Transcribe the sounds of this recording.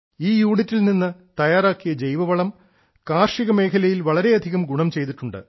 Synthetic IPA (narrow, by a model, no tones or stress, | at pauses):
iːjuːɽitːilninːɨt̪ɐjaːɾaːkːijɐd͡ʑejʋɐʋɐɭɐm | kaːrʂiɣɐme̞ːkʰɐlɐjilʋɐɭɐɾe̞ɐd̪ʱiɣɐmɡuɳɐmt͡ɕe̞jt̪̬iʈːuɳɖɨ̰